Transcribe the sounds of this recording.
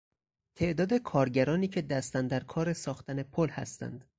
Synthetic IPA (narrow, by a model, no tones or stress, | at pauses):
t̪ʰe̞ʔd̪ɒːd̪e̞kʰɒːɾɟæɾɒːniːcʰe̞d̪æst̪ænd̪æɾkʰɒːɾe̞sɒːxt̪ʰæne̞pʰolhæ̰st̪æ̰nd̪̥